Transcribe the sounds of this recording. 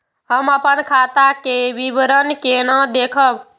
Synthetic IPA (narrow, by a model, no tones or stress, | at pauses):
ɦəməpənkʰat̪akeʋibɾənkenəd̪ekʰəb